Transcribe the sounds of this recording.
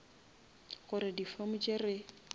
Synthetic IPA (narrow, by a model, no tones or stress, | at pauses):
ɣʊɾɪdifamʊt͡ʃʼɪrɪ